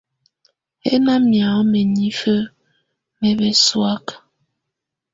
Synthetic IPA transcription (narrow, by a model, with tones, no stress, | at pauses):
he˦na˦mja˨˦mɛ˨ɲi˦fə˦ | mɛ˨βɛ˨swa˦k